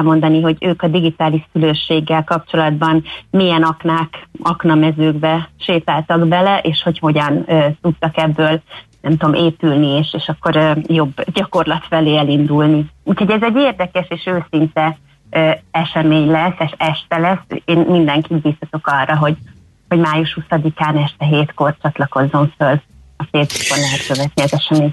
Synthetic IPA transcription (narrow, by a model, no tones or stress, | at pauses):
lmo̞nd̪ɒniɦo̞ɟøːkɒd̪iɡit̪aːliʃsyløːʃːeːɡːɛlkɒp̚t͡ʃo̞lɒd̪bɒnmijɛnɒknaːkɒknɒmɛzøːɡbɛʃeːt̪aːlt̪ɒɡbɛlɛʔeːʃho̞cho̞ɟɒnøːt̪ut̪ːɒkɛbːøːlnɛmt̪omʔeːpylnieːʃeːʃɒkːo̞ɾøjo̞bːɟɒko̞rlɒt̪fɛleːɛlind̪ulniuːcho̞ɟɛzɛɟːeːrd̪ɛkɛʃeːʃøːsint̪ɛ | øːɛʃɛmeːɲlɛsːɛʃɛʃt̪ɛlɛsːeːnmind̪ɛŋkid̪biːsɒt̪o̞kɒrːɒɦo̞ɟ | ho̞ɟmaːjuʃhusɒd̪ikaːnɛʃt̪ɛɦeːt̪ko̞rt͡ʃɒt̪lɒko̞zːo̞ɱføl | ɒfeːzbukːonlɛɦɛt̪køvɛt̪niɒzɛʃɛmeːɲ